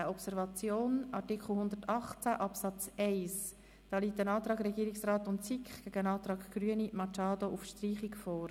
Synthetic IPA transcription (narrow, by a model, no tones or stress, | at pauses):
əɔpsɛɾvɑt͡sjoːnʔɑɾtikχl̩hʊndəɾtɑχt͡sæʔɑpsɑt͡sɛɪs | d̥ɑːliːtənɑːt̪ɾɑːɡɾɛɡiːɾɪksrɑːtʊntsikχɡ̥æɡəənɑːt̪ɾɑːkɡ̥ɾyənimɑt͡ʃɑːdoʔufʃtriːχikfɔːɾ